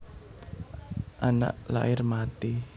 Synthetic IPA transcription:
ʔana̰ʔla̰ʔɪrmat̪i

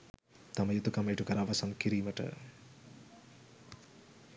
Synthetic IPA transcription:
t̪aməjut̪ukamɐjʈukəɾaʋɐsɐmkiɾiːməʈə̰

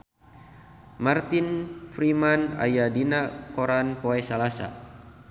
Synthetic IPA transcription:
mart̪infɾimana̰jadinakoɾanpoɛsalasa̰

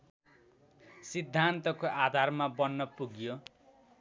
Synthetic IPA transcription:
sid̪ʱːant̪ʌkoʔad̪ʱarmabʌnːʌpuɡjo

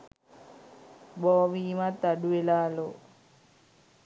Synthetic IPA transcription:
bɔːʋimat̪aɖuelaːlo

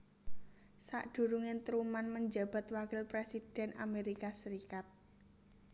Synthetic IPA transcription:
sa̰ʔɖ̥ṳɾuŋɪnt̪ɾumanməɲd͡ʒa̤b̥a̤t̪wakɪlpɾesid̥ɛ̤na̰meɾikasəɾikat̪̚

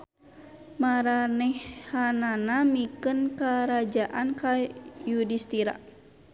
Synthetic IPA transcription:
maɾanɛhhananamikənkaɾad͡ʒaʔankajudist̪iɾa̰

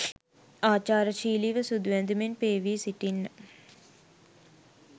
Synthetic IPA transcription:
aːt͡ʃaːɾəʃiːliʋəsud̪uʋænd̪umenpeːʋiːsiʈinːə

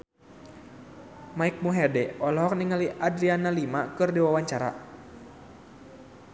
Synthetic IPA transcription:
maik̚muɦɛdɛɔlɔɦɔk̚niŋaliʔadɾianalimakɨrdiwawaɲt͡ʃaɾa̰

